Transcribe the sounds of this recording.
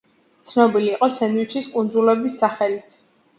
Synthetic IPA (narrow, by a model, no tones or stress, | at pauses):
t̪sʰnɔbiliːqʼɔsɛnwit͡ʃʰiskʼund̪zulɛbisːaχɛlit̪ʰ